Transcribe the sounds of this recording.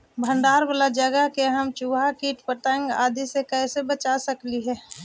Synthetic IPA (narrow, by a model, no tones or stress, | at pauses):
bʱə̃ɳɖaːɾʋəlad͡ʒəɡəɦkeɦəmt͡ʃuːʋʱakiːʈpəʈ̪əŋɡa̰ːd̪ʱisekɛːsebət͡ʃasəkliɦɛː